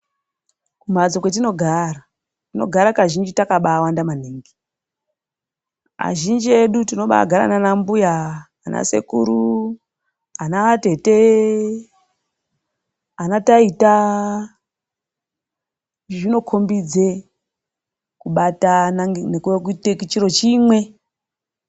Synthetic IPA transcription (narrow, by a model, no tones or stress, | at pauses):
kum̤ad͡zokwet̬ino̞ɡʱara | tino̞̰ɡʱaɾakaʒind͡ʒitakaɓaːwandaman̤eːŋɡi | a̰ʒind͡ʒie̞ɗutino̞ɓa̰ɡʱaɾa̰nanambujaː | nʔa̰se̞̰kuɾu | anate̞te | anataita | ʐino̞kʰo̞mbid͡ze | kuɓatanaŋnekuekutekit͡ʃiɾo̞t͡ʃimwe̞